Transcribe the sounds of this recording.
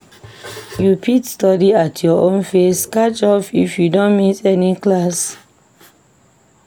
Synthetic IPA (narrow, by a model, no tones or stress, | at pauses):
jupʰitstɔdiatʰjɔʔõnfeskat͡ʃɔfifjudõnmitɛniklas